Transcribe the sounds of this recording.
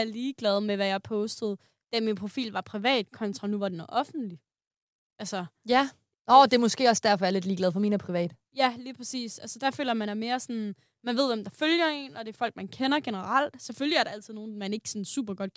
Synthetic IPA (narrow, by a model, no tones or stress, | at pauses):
æɐliːɡ̥lɛð̞ˠmeʋæjɑ̈ɪpʰɔ̽ʊsd̥əð̞̩ˠ | d̥æɐminpʰʁo̝fḭːlʋɑ̈pʰʁiʋɛ̰ːd̥̚kʰɒ̽nt͡sʰʁɑ̈nuʋɑ̈d̥enɒʔɒ̽fn̩d̥li | ʔælsɐjæ | ɒːd̥e̝ɐmɔ̽sɡ̥e̝̰ːɒ̽sd̥æɐfɒ̽æɐle̝d̥liːɡlɛð̞̩ˠfɒ̽miːnəpʰʁiʋɛ̰ːd̥ə | jæliːpʰʁasḭːsælsəd̥æfø̰ːlɐmænæme̝ːɐsɔn | mænʋe̝ð̞̰ˠʋemd̥ɑ̈føljɐe̝̰nɒ̽d̥e̝ɐfɒ̽l̰ɡ̥̚mænkʰenɐɡ̥enəʁɑl̰d̥seføljæɐɾ̥æl̰t͡sʰið̩ˠno̝ːn̩mæne̝ɡ̥ə̥sɒnsṵːb̥ɐɡ̥ɒ̽d̥̚